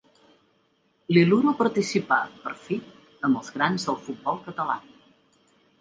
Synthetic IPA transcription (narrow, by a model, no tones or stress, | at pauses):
liluɾopəɾt̪isipapəɾfi | əməlˠzɣɾanzðəlˠfut̪̚bɔlˠkət̪əla̰